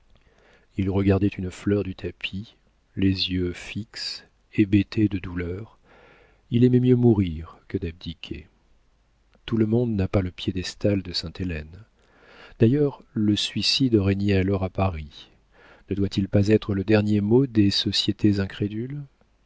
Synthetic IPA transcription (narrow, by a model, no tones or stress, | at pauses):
ilʁəɡaʁd̪ɛt̪ynflœʁd̪yt̪ʰapʰi | lezjøfiks | ebet̪ed̪əd̪ulœʁ | ilɛmɛmjømuʁiʁkəd̪ab̚d̪ikʲʰḛ | t̪uləmɔ̃d̪napaləpjed̪ɛst̪ald̪əsɛ̃t̪elɛn | d̪̥ajœʁləsɥisid̪ʁɛɲjɛalɔʁapaʁi | nəd̪wat̪ilpazɛt̪χələd̪ɛʁnjemod̪esɔsjet̪ʰezɛ̃kχed̪yl